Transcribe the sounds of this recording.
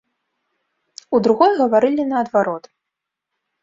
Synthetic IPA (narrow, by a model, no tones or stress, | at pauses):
ud̪ɾuɣɔjɣɐvaɾɨlʲinɐːd̪vaɾɔt̪